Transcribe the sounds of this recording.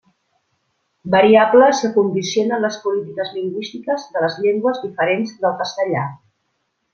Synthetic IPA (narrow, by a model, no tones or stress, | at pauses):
bəɾiabləsəkund̪isionənləspulit̪ikəzliŋɡwist̪ikəzðələzʎeŋɡwəzðifəɾenzðəlˠkəst̪əʎa̰